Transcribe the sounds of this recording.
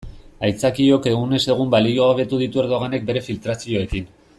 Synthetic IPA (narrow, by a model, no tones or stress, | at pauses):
ajt͡sakio̞ke̞ɣune̞se̞ɣ̞umbalioaβe̞t̪uð̞it̪ue̞ɾðo̞ɣ̞ane̞k̚be̞ɾe̞filt̪ɾasio̞e̞kin